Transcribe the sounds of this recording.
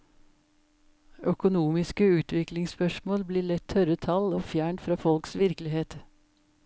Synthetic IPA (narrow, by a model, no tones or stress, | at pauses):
œkʊnuːmɪskəʉːt̪ʋɪklɪŋspœʃmoːlbliːɭɛt̪ʰœɾət̪ʰɑloːfjæːɳʈfɾɑːfɔlksʋɪɾkəlɪheːt̪